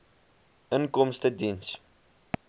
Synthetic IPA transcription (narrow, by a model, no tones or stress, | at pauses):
ʔənkɔmstədins